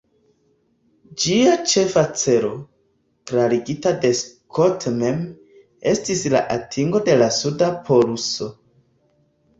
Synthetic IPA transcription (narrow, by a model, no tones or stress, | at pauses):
d͡ʒiat͡ʃe̞fat͡se̞ɾo̞̰ | kɾaɾiɡitade̞skʰotme̞m | e̞stisla̰ʔatʰiŋɡo̞de̞lasudapʰo̞ɾuso̞